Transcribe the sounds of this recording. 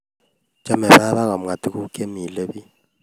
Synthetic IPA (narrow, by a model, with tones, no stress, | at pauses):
d͡ʒʼa˦mɛ˨ɓa˦ɓa˦ka˨m̩˨ŋa˨t̪ʼi˦ku˦kʼe˦mi˨lɛ˦ɓi˦